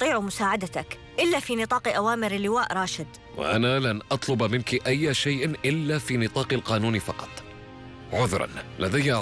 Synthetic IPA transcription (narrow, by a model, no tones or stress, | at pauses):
t̪ˤiːʕmʊsaːʕad̪at̪ak | ʔɪlːafiːnɨt̪ˤɑːqʔawaːmɪɾɪlːɪwaːʔɾˤɑːʃɪd̪ | wa̰ʔanalanʔɑt̪ˤlʊbmɪnkiʔajːaʃajʔnʔɪlːafiːnɨt̪ˤɑːqɑlqɑːnuːnfɑqɑ̥t̪ˤ | ʕʊðɾˤɑ̰nlad̪aja